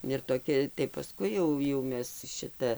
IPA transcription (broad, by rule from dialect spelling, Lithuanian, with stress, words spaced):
ɪr toːˈkʲɛ tɐɪ pɐˈskʊɪ jɛʊ jɛʊ ˈmʲɛs ˈʃʲɪtɐ